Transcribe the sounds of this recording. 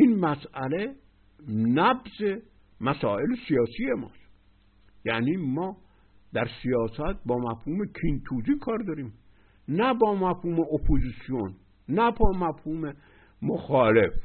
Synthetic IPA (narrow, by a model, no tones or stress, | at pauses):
ʔinmæsæle | næbze | mæsɒːelesijɒːsijemɒ̰ːs | jæniːmɒː | d̪æɾsijɒːsæt̪̚bɒːmæfhuːmekʰint̪ʰuːziːkʰɒːɾd̪ɒːɾiːm | næbɒːmæfhuːmeʔopʰoziːsijon | næbɒːmæfhuːme | moxɒːlef